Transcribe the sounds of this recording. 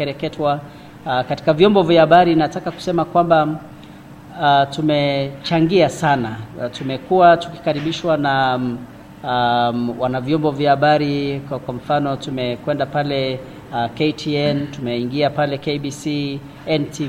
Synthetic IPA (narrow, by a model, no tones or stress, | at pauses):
ɛɾɛkɛtwa | kati̥kavjɔmbɔvjahaɓaɾinatakaku̥sɛmakwamba | tumɛt͡ʃaŋɡiasanatumɛkuwatu̥ki̥kaɾiɓiʃwana | wanavjɔmbɔvjahaɓaɾikwam̩fanɔtumɛkwɛndapalɛ | kɛjtʰiɛntumɛiŋɡiapalɛkejɓisi | ɛnti